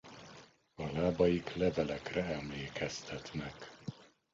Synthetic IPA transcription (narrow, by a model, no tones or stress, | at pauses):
ɒlaːbɒjiklɛvɛlɛkrɛɛmleːkɛst̪ʰɛt̪nɛk